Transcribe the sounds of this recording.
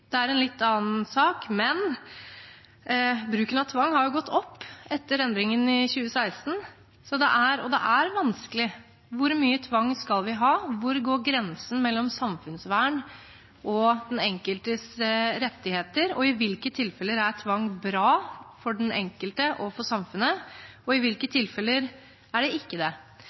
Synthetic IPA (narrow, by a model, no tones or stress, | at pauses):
d̪̥ɛæɾɛnlɪt̪ːɑːn̩sɑːkmɛn | bɾʉːkənɑt̪ʰʋɑŋːhɑɾjʊɡɔt̪ʰːɔpːɛt̪ːəɾɛnd̪ɾɪŋənɪçʉːəsæɪst̪n̩ | sɔd̪ɛ̰ʔæɾɔd̪ɛ̰ʔæɾʋɑnskəlɪ | ʋʊɾmyːət̪ʰʋɑŋːskɑlʋɪɦɑːʋʊɾɡoːɾɡɾɛnsn̩mɛlːɔmsɑmfʉnsʋæːɳ | ʔɔd̪ɛnɛŋkəlt̪əsɾɛt̪ːɪheːt̪əɾɔɪʋɪlkət̪ʰɪlfɛlːəɾæɾt̪ʰʋɑŋːbɾɑːfɔɖɛnɛ̰ŋkəlt̪əʔɔfɔʂɑmfʉnə | ɔɪʋɪlkət̪ʰɪlfɛlːəɾ | æɖɛɪkːəd̪ɛ